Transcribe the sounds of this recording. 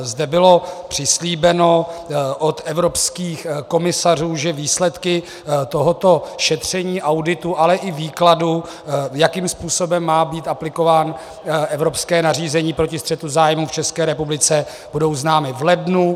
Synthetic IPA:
zdɛbɪlo̞pr̝̥ɪsliːbɛno̞ʔot̪ɛvɾo̞pskiːxko̞mɪsar̝uːʒɛviːslɛt̪kɪ | t̪o̞ɦot̪o̞ʃɛt̪r̝̥ɛɲiːʔawdɪt̪uʔalɛʔɪviːkladu | jakiːmspuːso̞bɛmːaːbiːt̪aplɪko̞vaːn | ʔɛvɾo̞pskɛːnar̝iːzɛɲiːpɾocɪst̪r̥ɛt̪uzaːjmuft͡ʃɛskɛːɾɛpublɪt͡sɛ | b̥udo̞wznaːmɪvlɛdnu

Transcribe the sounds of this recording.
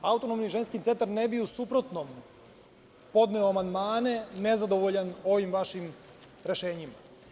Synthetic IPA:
aut̪o̞nomniʒenskit̪ent̪aɾnebiusupɾot̪nom | po̞d̪neoamand̪maːne̞ne̞zad̪o̞ʋoʎano̞ʋimʋaʃim | ɾe̞ʃe̞ːɲima̰

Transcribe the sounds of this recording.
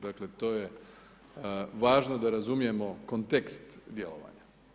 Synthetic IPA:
d̪akle̞t̪o̞ːje | ʋaːʒno̞d̪aɾazumije̞mo̞kont̪e̞kst̪d̪je̞̰lo̞̰ʋa̰ːɲa

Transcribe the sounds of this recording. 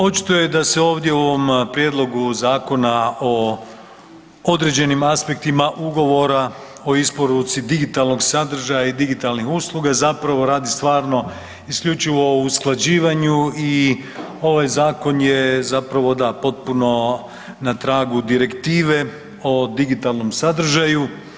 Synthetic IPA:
o̞t͡ʃi̥t̪ojed̪ase̞o̞ːʋd̪jeuo̞ʋo̞mpɾjeːd̪lˠo̞ɡuzaːko̞nao | o̞d̪ɾe̞d͡ʑe̞nimaspe̞k̚t̪imaʔuɡo̞ʋo̞ɾa | o̞ispo̞ɾut̪sid̪iɡit̪alˠno̞ɡsad̪r̩ʒajaid̪iɡit̪alˠnixuslˠuɡazapɾaʋo̞ɾaːd̪ist̪ʋaːɾno̞ | iskʎʲut͡ʃiʋo̞usklˠad͡ʑiːʋaɲui | o̞ʋajzaːko̞njezapɾaʋo̞d̪apo̞t̪̚puno̞ | nat̪ɾaːɡud̪iɾe̞kt̪iːʋe̞ | o̞d̪iɡit̪alˠno̞msad̪r̩ʒaju

